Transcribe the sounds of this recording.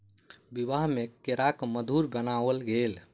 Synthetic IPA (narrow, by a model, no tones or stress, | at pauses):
bibaɦmekeɾakməd̪ʱuɾbənaʋəlɡel